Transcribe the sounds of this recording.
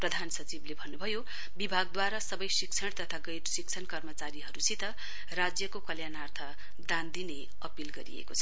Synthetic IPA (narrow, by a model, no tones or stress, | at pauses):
prʌd̪ʱansʌt͡siblebʱʌnːubʱʌjo | bibʱaɡ̚d̪waɾasʌbʌjsikt͡sʰʌɽt̪ʌt̪ʰaɡʌjtsikt͡sʰʌnkʌrmʌt͡saɾiɦʌɾusʰit̪ʌ | rad͡zjʌkokʌljanart̪ʰʌ | d̪ãnd̪ine | ʌpilɡʌɾḭḛkot͡sʰʌ